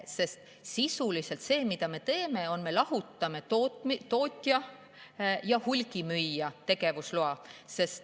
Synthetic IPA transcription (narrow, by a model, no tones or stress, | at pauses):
se̞st̪ | sisulise̞lt̪se̞ːmit̪ɑme̞t̪e̞ːme̞o̞nme̞lɑɦut̪ːˑɑme̞t̪otmit̪o̞ːt̪ʲːˑjɑ | jɑhulʲɡimyjːɑt̪e̞ɡ̥e̞vusluɑse̞st̪